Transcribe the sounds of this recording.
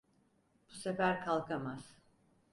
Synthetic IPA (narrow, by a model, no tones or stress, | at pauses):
b̥usefæɾkʰalˠkʰamaz̥